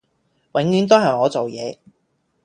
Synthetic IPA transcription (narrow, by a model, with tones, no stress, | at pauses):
wɪ˨˥ŋjyː˨˥nt̪o˥ɦɐ˨˩jŋɔː˨˧t͡so˨wjɛː˨˧